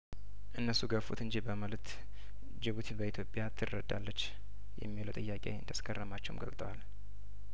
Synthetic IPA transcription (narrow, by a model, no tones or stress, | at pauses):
ʔɨnːəsuɡəfut̪ɨɲd͡ʒibəməlt̪ | d͡ʒɨβut̪ʰbəit̪ʰjo̞pʼjat̪ʰɨrːəd̪a̰lːət͡ʃː | jɛ̰mːiləwt̪ʼɨjːakʼḛɨ̰nd̪askʰʼərːəmat͡ʃːɛwumɡə̰lt̪ʼəwal